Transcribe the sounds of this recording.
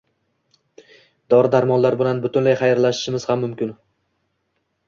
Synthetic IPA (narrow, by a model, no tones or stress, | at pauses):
d̪ɒɾɪd̪aɾmɒnlaɾbɪlanbʊt̪ʰʊnlajχajaɾlaʃɪ̥ʃɪmɪz̥hamːʊmkʲɪn